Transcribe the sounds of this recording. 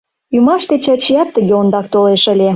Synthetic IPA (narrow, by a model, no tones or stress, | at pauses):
jymɑʃt̪et͡ɕɑt͡ɕijɑt̪ːəɣʲeond̪ɑk̚t̪oleʃə̆lʲe